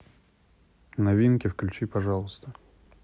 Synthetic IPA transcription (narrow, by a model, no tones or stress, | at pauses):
nɐvʲinkʲɪfklʲʉt͡ɕipɐʐɑlˠəst̪ə